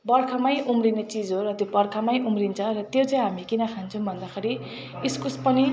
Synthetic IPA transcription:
bʌrkʰamajʔumrinet͡sid͡zɦoɾʌt̪jobʌrkʰamajʔumrint͡sʰʌ̃rʌt̪jot͡saĩɦamikinʌkʰant͡sʰʌũbʱʌnd̪akʰeɾi | iskuspʌni

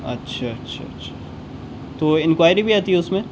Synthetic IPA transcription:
ɐ̰tːʃʰaɐtːʃʰa̰ɐtːʃʰḁ | t̪oɪ̃nkʋaːɪɾibʱiaːt̪iɦɛʊsmẽ

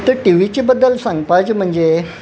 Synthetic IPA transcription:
t̪əɾʈiʋit͡ɕibəd̪ːəlsãŋɡpad͡ʑm̤əɳd͡ʑe

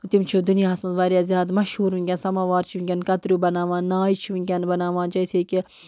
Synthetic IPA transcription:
t̪imt͡ʃʰid̪unijaːɦɐsmɐt̪ʋaːɾjaːzjaːd̪mɐʃhuːɾʋĩŋɡʲaːnsɐmaːʋaːɾt͡ʃʰiʋiŋɡʲɐnkɐt̪ɾuːbɐnaːʋãːnaːit͡ʃʰiʋiŋɡʲanbɐnaːʋãːnd͡ʒɐjseːki

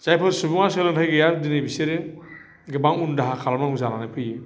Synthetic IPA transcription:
z̥ajpʰɯɾsubuŋaselɯnɦʰajɡɯjaɾdinejbiseɾe | ɡɯbaŋundaɦakʰalamaŋuzananapʰɯje

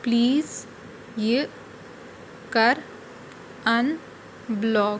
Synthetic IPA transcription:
pliːz | je | kəɾ | ɐ̃n | blɔːɡ

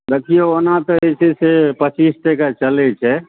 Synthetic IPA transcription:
d̪ekʰijoonat̪ɔesesepət͡ʃist̪ekat͡ʃəlɛt͡ʃʰɛ

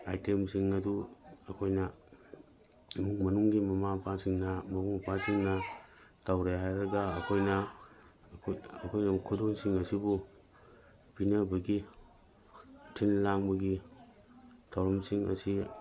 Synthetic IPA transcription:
ajtemsiŋɐduɐkʰojnɐ | muŋmɐnuŋɡimɐmapʰasiŋnɐmɐmuŋpʰasiŋnɐtʰawɾeɦajɾɐɡɐːkʰojnɐ | kʰɐkʰojnɐkʰudonsiŋɐsibu | pinɐbɐɡi | tʰinlaŋbɐɡi | tʰawɾɐmsiŋɐ̰si

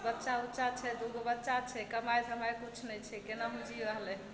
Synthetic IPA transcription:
bətːʃautːʃat͡ʃʰɛd̪uɡobətːʃat͡ʃʰɛkəmajsəməjkut͡ʃʰnɛt͡ʃʰɛkenaɦumd͡ʒiɾəɦlɛ

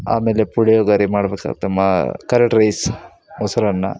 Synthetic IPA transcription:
a̰ːmeːlepuɽejoːɡaɾimaːɽbeːka̰ɡt̪emakɐɾeʈɾejs | mosɐɾɐnːa̰

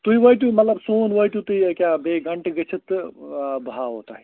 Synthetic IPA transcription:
t̪uiʋəjʈumɐt̪ləbsonʋəjʈut̪uikjabeɡɐɳʈɡət͡ʃʰit̪ | baot̪a̰ɦi

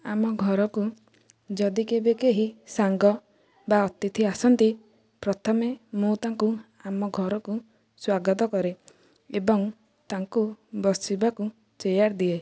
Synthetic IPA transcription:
amɔɡʱɔɾɔku | d͡ʒɔd̪ikebekeɦisaŋɡɔ | baɔt̪it̪ʰiasɔnt̪i | pɾɔt̪ʰɔmemũt̪aŋku | amɔɡʱɔɾɔku | swaɡɔt̪̬ɔkɔɾe | ebɔŋ | t̪aŋkubɔsibaku | t͡ʃejaɾd̪ie

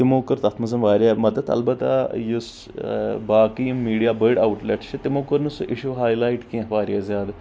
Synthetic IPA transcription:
t̪ɪmoːkɐɾt̪ɐt̪ʰmɐzɐmʋaːɾʲjaːmɐd̪əd̪ɐ̰lbɐt̪ːa̰jus | baːkijmːiːɖijaːbəɾɖaːwʈleʈt͡ʃʰit̪ɪmoːkəɾnusʔɪʃuːɦaːjlaːiʈkĩʋaːɾijaːzjaːd̪

